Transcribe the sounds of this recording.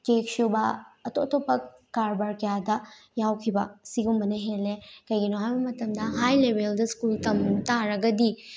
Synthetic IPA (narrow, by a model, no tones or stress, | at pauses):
kek̚subɐːtotopːɐ | kːaɾbaɾkɐjadɐjawkʰibɐ̰siɡumbɐnɐɦelekɐjɡinoɦajbɐmɐtɐmdɐɦajlebʱeldɐskultɐmtaɾɐɡɐdi